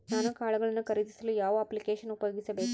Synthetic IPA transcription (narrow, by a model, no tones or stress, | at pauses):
aːnukaːɭɐɡɐɭɐnːukɐɾid̪isɐlujaːʋɐɐpːlikeːʂɐnupɐjo̞ːɡisɐbe̞ːku